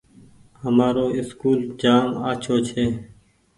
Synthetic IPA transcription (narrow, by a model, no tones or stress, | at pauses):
həmaːɾoːɪskuːld͡ʒaːmaːt͡ʃʰoːt͡ʃʰeː